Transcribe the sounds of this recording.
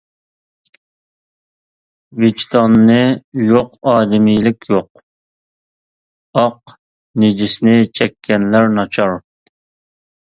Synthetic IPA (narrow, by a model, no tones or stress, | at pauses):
vit͡ʃt̪ʰɑnːɨjoqɑːd̪ɪmijlɪkʲʰjoq | ɑq | ned͡ʒisɪnɪt͡ʃʰɛkʲʰːɛnlæɾnɑt͡ʃʰɑɾ